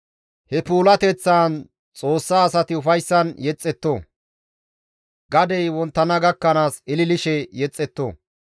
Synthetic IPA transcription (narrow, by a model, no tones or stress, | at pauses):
hɛpuːlɐt̪ɛt͡sːaːn | t͡sʼo̞ːsːaːsɐt̪ɪʊfɐjsːɐnjɛt͡sʼːɛt̪ːoː | ɡɐd̪ɛjwɔnt̪ːɐnɐɡɐkːɐnaːsɪlɪlɪʃɛjɛt͡sʼːɛt̪ːo̰ː